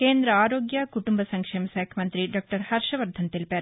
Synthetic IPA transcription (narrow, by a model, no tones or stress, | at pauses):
keːnd̪ɾɐaːɾoːɡjaːkuʈumbɐsɐŋkʂeːmɐsɛːkʰjɐmɐnt̪ɾiɖaːk̚ʈɐɾhɐɾʃɐʋɐɾd̪ʱɐnt̪ilpeːɾ